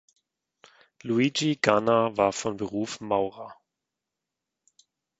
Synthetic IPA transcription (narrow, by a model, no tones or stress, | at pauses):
luid͡ʒiɡ̥anavaːɐfɔnbəʁuːfmaʊʁa